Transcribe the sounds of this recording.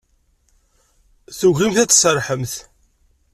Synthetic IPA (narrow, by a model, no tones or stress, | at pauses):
θuʝʁimθæt͡sːsəɾˤħəmθ